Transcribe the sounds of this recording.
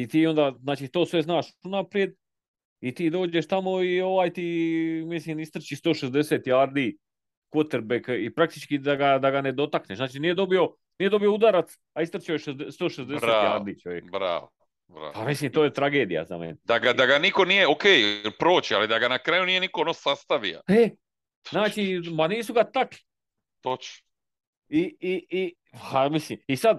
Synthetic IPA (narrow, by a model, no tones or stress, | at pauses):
it̪iːo̞nd̪aːzaːt͡ʃiːt̪o̞ːsʋe̞znaːʃunapɾje̞d̪̚ | it̪iːd̪o̞ːd͡ʒeʃt̪amo̞io̞ʋaːjt̪iːmisliːmist̪r̩t͡ɕist̪o̞ːʃezd̪e̞seːt̪jaːɾd̪iː | kot̪eɾbekipɾak̚t̪i̥t͡ʃkid̪aɡad̪aɡane̞d̪o̞t̪akneʃnaːt͡ʃinije̞d̪o̞bio̞ | nije̞d̪o̞bijo̞ud̪aɾat̪s | aist̪r̩t͡ɕaoʃezd̪est̪o̞ːʃezd̪e̞set̪ːja̰ːɾd̪iːt͡ʃoʋjekbɾa̰ːo | bɾa̰ːpamislimt̪oːje̞t̪ɾaɡe̞ːd̪ija̰za̰mḛned̪aɡad̪aɡaniko̞nijeokeːjpɾo̞ːt͡ɕialid̪aɡanakɾaːjunije̞nikoonosast̪aʋḭa̰e | naːt͡ʃimaniːsuɡat̪akli̥ | t̪ot͡ʃ | iii | hamislimisad̪̚